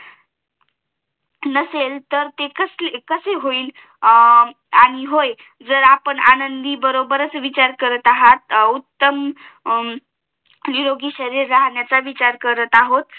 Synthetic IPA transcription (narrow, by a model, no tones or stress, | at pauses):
nəselt̪əɾt̪ekəslekəseɦoiːl | aɽ̃iɦoj | d͡zəɾapəɳanənd̪iːbəɾobəɾət͡sʋit͡ɕaɾkəɾət̪aɦat̪̚ut̪ːəm | niɾoɡiːɕəɾiɾːaɦɳjat͡saʋit͡ɕaɾkəɾət̪aɦot̪